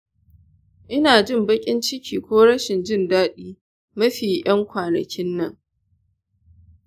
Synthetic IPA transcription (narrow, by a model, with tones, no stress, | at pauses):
ʔɪ˦naː˨d͡ʒɪ˦mbɐ˦kʲʼɪ˦nt͡ʃɪ˦kʲʰiː˨kʷoː˦ɽɐ˦ʃɪ˨nd͡ʒɪ˦˨ndaː˦ɗiː˦ | mɐ˦ɸiː˨jɐ˦ŋkʷaː˨nɐ̰˨kʲɪ˦nːɐ˦˨ŋ